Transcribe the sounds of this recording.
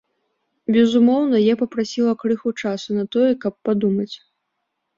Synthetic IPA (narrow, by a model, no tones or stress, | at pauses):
bʲɛzumɔwnɐjɛpɐpɾasʲilˠɐkɾɨxut͡ʂasunɐt̪ɔjɛkɐpːad̪umɐt͡sʲ